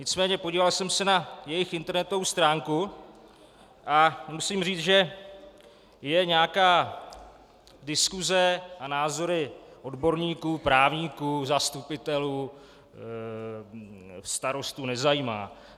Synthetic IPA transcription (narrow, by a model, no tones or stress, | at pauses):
ɲɪt͡smɛːɲɛpoɟiːvalsɛmsɛnajɛjɪxɪnt̪ɛɾnɛt̪o̞vowst̪ɾaːŋku | ʔamusimriːt͡sʒɛ | jɛɲɛakaː | dɪskuzɛʔanaːzo̞ɾɪʔo̞dbo̞ɾɲiːkuːpɾaːvɲiːkuːzast̪upɪt̪ɛluː | fst̪aɾo̞st̪unɛzajiːma̰ː